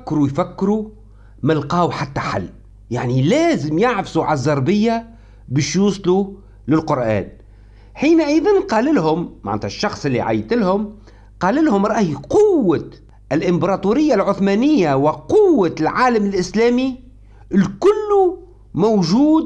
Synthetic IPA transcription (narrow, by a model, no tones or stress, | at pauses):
kːɾujfækːɾu | mɪlqɑːwħat̪ːaħa̰lː | jaʕnilæːzɪmjaʕfsuʕalzˤːɑɾˤbɪjːa | bəːʃjuːsˤlu | lɪlqʊɾʔæ̰ːn | ħiːnʔəðanqɑːlɪlɦʊmma̰ʕnːt̪hæʃːɑxsˤʔɪlːiʕa̰jt̪ɪlhʊm | qɑːlɪlhʊmɾˤɑːʔhjqʊwːa | ɪlʔɪmbɾˤɑt̪uːɾɪjːalʕʊθmæːnɪjːawɪqʊwːalʕaːləmɪlʔɪslæːmi | lkʊlːu | mowʒuːd̪